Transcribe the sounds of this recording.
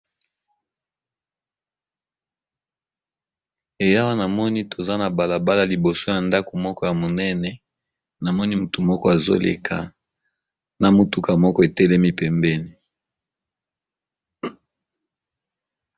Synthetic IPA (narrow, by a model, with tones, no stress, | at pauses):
e˨ja˦wa˦na˨mɔ˦ni˦to˨za˦na˨ba˨la˨ba˦la˨li˨bo˨so˦ja˨nda˦ko˨mɔ˦kɔ˦ja˨mo˨nɛ˦nɛ˨ | na˨mɔ˦ni˦mu˨tu˨mɔ˦kɔ˦a˨zo̰˦lḛ˨kʰa̰˨ | na˨mu˨tu˦ka˨mɔ˦kɔ˦e˨tɛ˦lɛ˦mi˨pɛ˨mbɛ˦ni˨